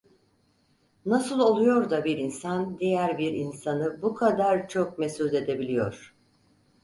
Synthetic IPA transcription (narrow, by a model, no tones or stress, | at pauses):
nasɯlˠo̞lˠujo̞ɾd̪abiɾinsand̪ijæɾbiɾinsanɯbukʰad̪aɾt͡ʃʰok̚me̞suze̞d̪e̞bilʲijo̞̰ɾ̥